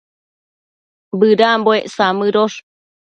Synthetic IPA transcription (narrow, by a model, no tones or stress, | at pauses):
bɨɾamboeʔsamɨɾoʂ